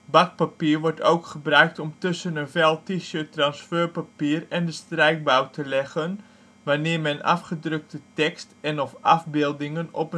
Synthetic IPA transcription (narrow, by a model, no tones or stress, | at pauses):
bak̚papiːərʋɔɹtowkχəbrœɥk̚tɔmtɵsənənvɛlˠtiʃøːtrɑnsføːrpapiərɛndəstrɛjk̚bawtʰəlɛɣən | ʋanɪːmɛnʔa̰fχədrøk̚tətɛkstɛnɔfɑ̰fbɪːlˠdɪŋənɔ̰pə